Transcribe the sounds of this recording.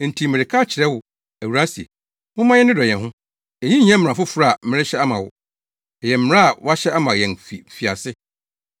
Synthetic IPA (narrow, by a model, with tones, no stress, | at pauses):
n̩˨tʰi˨mɪ̃˨ɾɪ˨kʰaː˦t͡ɕʰɪ˨ɾɛ˦wʊ˨ | æ˨wu˨ɾa˦si˨ḛ˨ | mʊ̃˦mã˦jɛ˦n˦ɪ̃˦dɔ˨jɛ̃˨nɦʊ̃˦ | e˨jĩ˦ɲ˦ɛ̃˦m˨ɾã˨fʊ˦fɾa˦a˨˦mɪ̃˦ɾɪ˦ɕɛ˦a˦mã˨wʊ̰˨ | ɛ˨jɛ̃˨m˦mɪ̃˨˦ɾã˦a˨wa˦ɕɛ˦a˦mã˨jɛ̃˨nfi˨fi˨a̰˨sɪ˦